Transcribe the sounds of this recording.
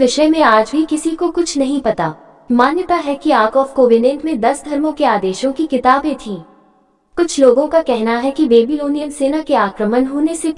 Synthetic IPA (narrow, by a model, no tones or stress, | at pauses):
ʋɪʃəjmẽaːd͡ʒbʱikɪsikokʊt͡ʃʰnɐɦĩpɐt̪aː | maːnjət̪aɦɛkiaːkɔːfkoːʋɪnɛ̃ːɳʈmẽd̪ɐsd̪ʱɐɾmõkeaːd̪eːʃõkikɪt̪aːbẽt̪ʰĩː | kʊt͡ʃʰloːɡõkakɛɦnaɦɛkibeːbiloːnijənseːnakeaːkɾəmənɦoːnese